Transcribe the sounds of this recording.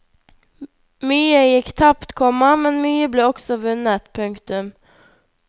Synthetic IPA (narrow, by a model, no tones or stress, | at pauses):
myːəjɪkːt̪ʰɑpt̪kʰɔmːəmɛnmyːəbleːɔksɔʋʉnːət̪pʰɵŋkt̪ʉm